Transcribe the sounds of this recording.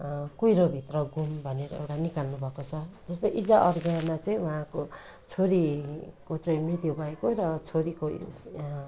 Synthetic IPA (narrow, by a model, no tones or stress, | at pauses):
kujɾobʱit̪rʌɡumbʱʌneɾʌ̰ḛwʈanikalnubʱʌkot͡sʰʌd͡zʌst̪oʔid͡zaʔʌrɡamat͡sʌĩwʌɦãko | t͡sʰoɾikot͡sʌĩmrit̪jubʱʌekoɾʌt͡sʰoɾiko